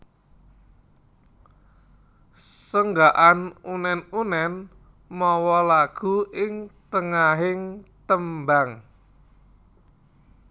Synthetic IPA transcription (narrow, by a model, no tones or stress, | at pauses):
səŋɡaʔanunɛnunɛn | mɔwɔlaɡ̥ṳɪŋt̪əŋaɦɪŋt̪əmbaŋ